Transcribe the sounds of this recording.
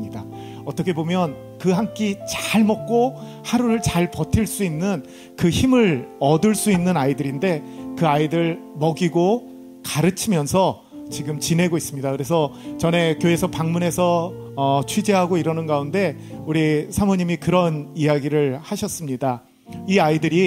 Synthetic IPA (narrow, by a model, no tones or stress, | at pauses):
ɲida | ʌt͈ʌkʰebomjʌn | kɯɦaŋk͈it͡ɕaɭmʌk̚k͈o | haɾuɾɯɭt͡ɕaɭpʌtʰiɭs͈uinːɯn | kɯçimɯɾʌdɯɭs͈uinːɯnaidɯɾinde̞kɯaidɯɭmʌɡiɡo | kaɾɯt͡ɕʰimjʌnsʰʌ | t͡ɕiɡɯmt͡ɕine̞ɡois͈ɯmɲidakɯɾe̞s̬ʰʌt͡ɕʌne̞kjoe̞sʰʌpaŋmune̞sʰʌː | t͡ɕʰwid͡ʑeɦaɡoiɾʌnɯnɡaunde̞ | uɾisʰamʌɲimikɯɾʌnijaɡiɾɯɭhaɕʰʌs͈ɯmɲida | iaidɯɾi